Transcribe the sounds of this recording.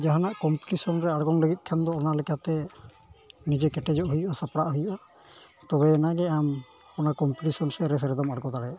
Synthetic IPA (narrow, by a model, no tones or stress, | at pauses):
d͡ʒaɦanaʔkɔmpiʈisɔnɾɛaɽɡɔŋləɡit̪̚ˀkʰamd̪ɔːnalɛkat̪ɛ | nid͡ʒɛkɛʈɛd͡ʒɔʔɦujuʔasapɽaʔɦujuʔa | t̪ɔbɛːnaɡɛam | kɔnakɔmpiʈisɔnsɛɾɛs̬əɾɛd̪ɔmaɽɡɔd̪aɽɛ